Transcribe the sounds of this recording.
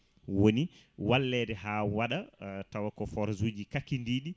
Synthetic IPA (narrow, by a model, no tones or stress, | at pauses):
woniwalːɛdɛɦawaɗatawakɔfɔɾzud͡ʒikakːindiːɗi